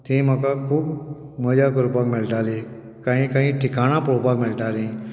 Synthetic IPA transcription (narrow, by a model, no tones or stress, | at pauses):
t̪ʰĩməkakʰuːbməd͡ʒaːkəɾpaːkmɪlʈaːli | kaɦĩkaɦĩʈʰɪkaːɽ̃aːpopakmɪlʈaːɾĩː